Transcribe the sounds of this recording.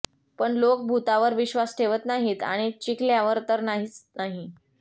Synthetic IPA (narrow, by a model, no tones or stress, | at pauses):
pəɳlok̚bʱut̪aʋəɾʋiɕʋasʈʰeʋət̪naɦiːt̪a̰ɽ̃it͡ɕikljaʋəɾt̪əɾnaɦiːt͡snaɦi